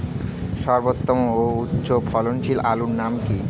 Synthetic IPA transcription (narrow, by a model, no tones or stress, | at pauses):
ʃɔɾbot̪ːomooutːɕopʰɔlonʃilaluɾnamki